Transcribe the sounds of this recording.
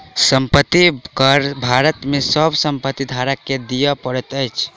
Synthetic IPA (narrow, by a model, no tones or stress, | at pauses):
səmpət̪ːikəɾbʱaɾət̪mesəbʱsəmpət̪ːid̪ʱaɾakːed̪ijəpəɾət̪əjt͡ʃʰ